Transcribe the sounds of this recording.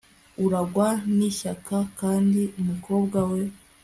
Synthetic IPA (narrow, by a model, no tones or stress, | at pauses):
uɾaɡwaniçakakaːndiumuko̞ːbɡawe̞